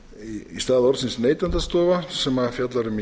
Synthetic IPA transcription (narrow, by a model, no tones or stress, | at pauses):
iist̪aːðɔɾt̪sinsnejt̪ant̪ast̪oːvasɛmafjat̪laɾʏm